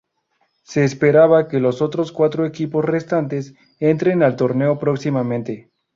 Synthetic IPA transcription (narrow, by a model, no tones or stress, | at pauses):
se̞ːspe̞ɾaβake̞lo̞so̞t̪ɾo̞skwat̪ɾoekipo̞sre̞st̪ant̪e̞s | e̞nt̪ɾe̞nalt̪o̞ɾne̞o̞pɾo̞ksimamẽnt̪e̞